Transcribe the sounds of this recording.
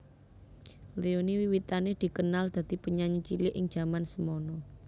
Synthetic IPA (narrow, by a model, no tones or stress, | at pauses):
leoniwiwit̪aned̪̥i̤kənald̪̥ä̤d̪̥i̤pəɲaɲət͡ʃilɪʔɪŋ̥ʒ̥ä̤mansəmɔnɔ